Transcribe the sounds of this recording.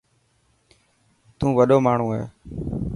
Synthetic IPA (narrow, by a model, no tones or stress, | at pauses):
t̪ũːʋəɗoːmaːɳ̤ũːɦḛː